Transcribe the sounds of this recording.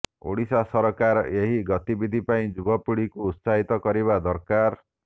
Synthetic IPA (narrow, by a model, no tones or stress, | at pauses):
o̰ɽisasɔɾɔkaɾeɦiɡɔt̪ibid̪ʱipaĩd͡ʒubɔpuɽikuːt̪saɦit̪ɔkɔɾiβad̪ɔɾkaɾ